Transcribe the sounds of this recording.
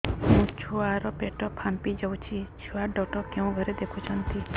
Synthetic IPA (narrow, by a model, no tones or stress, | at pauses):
ɦũt͡ʃʰuaɾɔpeʈɔpʰampid͡ʒəw̃t͡ʃʰit͡ʃʰuaɖɔʈɔkjɔ̃ũɡʱəɾɛd̪ekʰũt͡ʃʰɔnt̪i